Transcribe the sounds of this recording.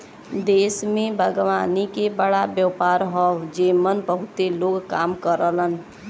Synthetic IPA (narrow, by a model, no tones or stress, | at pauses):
d̪esmẽbʱəɡwanikebəɽabjəpaɾɦɔd͡ʒemənbəɦut̪eloɡkamkəɾələn